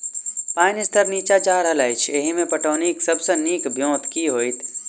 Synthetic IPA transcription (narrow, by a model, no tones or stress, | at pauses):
paːnɪst̪ʰəɾniːt͡ʃat͡ʃaːɾɦɐlajt͡ʃʰeːɦimẽpɐʈoːniːksɐbseniːkbʱjõːt̪ʰkiɦoːit̪ʰ